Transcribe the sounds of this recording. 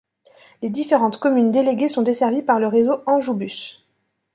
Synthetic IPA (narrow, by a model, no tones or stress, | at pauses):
led̪ifeʁɑ̃t̪kɔmynd̪eleɡʲesɔ̃d̪esɛʁvipaʁləʁezoɑ̃ʒubys